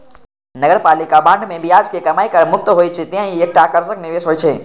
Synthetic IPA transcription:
nɐɡəɾpaːlikabãːɳɖmẽbʱiaːd͡ʒkekɐmaːikəɾmʊk̚t̪ɦoit͡ʃʰet̪iɦãieːk̚ʈaːkəɾzəknɪʋeːsɦoːjt͡ʃʰe

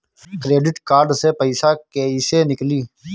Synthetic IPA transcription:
kɾeːɖɪʈkaːɾɖsepəɪsaːkeːisenɪkliː

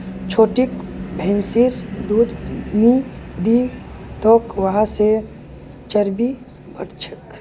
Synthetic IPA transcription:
t͡ʃʰoːʈikbʱɛ̃nsiɾd̪uːd̪nid̪it̪oːkʋɐɦãse | t͡ʃəɾbi | bəɽt͡ʃʰə̥k

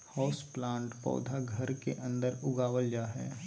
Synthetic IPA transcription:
hɔːsplãːɳʈpɔ̰ːd̪ʱaɡʱɐɾkeʔɐ̃nd̪əɾʊɡaːʋəld͡ʒaɦɛː

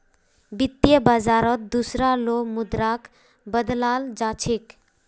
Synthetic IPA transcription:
bit̪ːjəbad͡ʒaɾət̪̚d̪usɾalomud̪ɾak | bəd̪lald͡ʒat͡ʃʰik

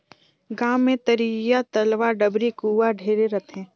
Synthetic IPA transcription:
ɡaːmːẽt̪əɾijat̪ɐlʋaːɖɐbɾikuːwaɖʱeːɾeɾɐt̪ʰɦɛ̃ː

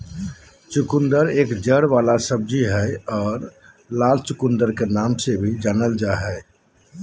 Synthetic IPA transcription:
t͡ʃukund̪əɾeːkd͡ʒəɽʋalasəb̚d͡ʒiɦɛɔːɾ | lalt͡ʃukund̪əɾkenamsebʱid͡ʒanəld͡ʒaɦɛɪ

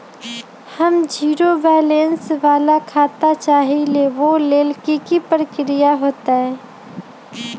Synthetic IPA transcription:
həmd͡ʒiːɾobɛːlensʋaːlakʰaːt̪at͡ʃaːɦileʋoleːlkikipɾəkɾɪjaɦoːt̪aɦɛː

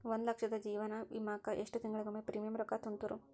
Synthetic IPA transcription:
ʋond̪lɐkʂɐd̪ɐd͡ʒiːʋɐnɐʋḭmaːkɐʔeʂʈut̪iŋɡɐɭiɡumːepɾiːmijɐmɾɐkːat̪unt̪uɾu

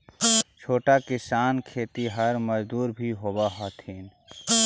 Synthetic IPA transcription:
t͡ʃʰoːʈakɪsaːnkʰeːt̪iɦəɾməd͡ʒd̪uːɾbʱiɦoːbaɦɔt̪ʰiːn

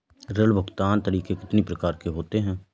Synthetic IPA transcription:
ɾəlbʱʊɡt̪aːnt̪əɾiːkekɪt̪nipɾəkaːɾkeɦoːt̪eɦɛ̃ː

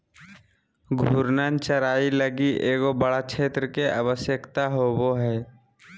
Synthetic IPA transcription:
ɡʱuɾnənt͡ʃəɾaːiləɡiʔeːɡobəɽakt͡ʃʰeːt̪ɾəkeʔə̰ʋəsjəkt̪aɦoːboɦɛː

